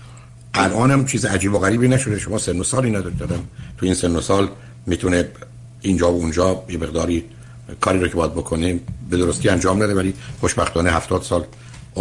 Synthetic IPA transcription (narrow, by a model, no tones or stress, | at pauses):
ʔælʔɒːnæmt͡ʃʰiːziæd͡ʒiːboɣæɾiːbiːnæʃod̪eʃomɒːsenːosɒːliːnæd̪ɒɾid̪ɒd̪æmt̪ʰuiːnsenːosɒːl | miːt̪ʰune | ind͡ʒɒːbound͡ʒɒːjemeɣd̪ɒːɾi | kʰɒːɾiːɾocʰebɒːjæd̪bokʰonebed̪oɾost̪iːænd͡ʒɒːmnæd̪evæliːχoʃbæxt̪ʰɒːneɦæft̪ɒːd̪̥sɒːl